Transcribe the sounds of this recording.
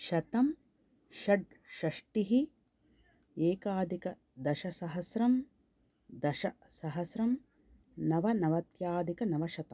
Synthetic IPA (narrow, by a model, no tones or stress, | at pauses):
ʃɐt̪ɐm | ʃɐɖ | ʃɐʂʈiɦi | eːkaːd̪ʱikɐ | d̪ɐʃɐsɐɦɐsɾɐm | d̪ɐʃɐsɐɦɐsɾɐm | nɐʋɐnɐʋɐt̪jaːd̪ʱikɐnɐʋɐʃɐt̪ɐmm